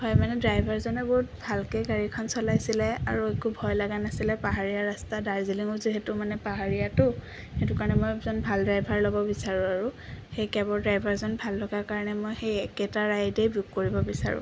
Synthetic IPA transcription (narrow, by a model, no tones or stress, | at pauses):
hɔjmanɛdɹajbʱaɹzɔnɛbɔt̚bʱalkeɡaɹikʰɔnsɔlajsilɛa̰ɹuekubʱɔjlaɡanasilɛpaɦaɹijaɹastadaɹziliŋɔziɦɛtʊmanɛpaɦaɹijatʊ | xetʊkaɹnɛmojzɔnbʱaldɹajbʱaɹlɔbɔbisaɹʊ̃aɹuxejkɛbɔɹdɹajbʱaɹzɔnbʱallɔɡakaɹɔnɛmojxejɛkɛtaɹajdejbup̚koɹibɔbisa̰ɹʊ̰̃